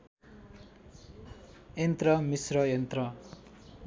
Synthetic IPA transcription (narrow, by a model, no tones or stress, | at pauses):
ent̪rʌmisrʌjent̪rʌ